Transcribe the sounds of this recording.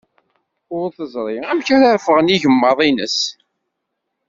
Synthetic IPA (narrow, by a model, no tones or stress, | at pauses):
ʊɾθəzˤɾˤiæmçæɾaɾfəʁəniʝəmːəðˤinə̰s